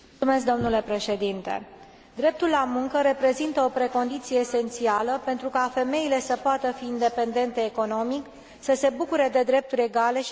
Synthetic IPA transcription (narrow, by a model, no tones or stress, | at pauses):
ume̞s̬k̚d̪o̞mnule̞pɾe̞ʃe̞d̪int̪e̞̰ | d̪ɾe̞p̚t̪ulːamuŋkəɾe̞pɾe̞zint̪əo̞pɾe̞ko̞nd̪it̪sije̞ːse̞nt̪sialəpe̞nt̪ɾukafe̞me̞ile̞səpoat̪əfiːnd̪e̞pe̞nd̪e̞nt̪e̞ːko̞no̞mik | səse̞bukuɾe̞d̪e̞d̪ɾe̞p̚t̪uɾʲe̞ɡale̞